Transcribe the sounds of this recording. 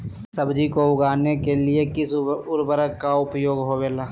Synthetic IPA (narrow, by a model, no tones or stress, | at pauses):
səbd͡ʒikoʊɡaːnekeliekɪsʊɾbəɾəkːaʊpjoːɡɦoweːlaː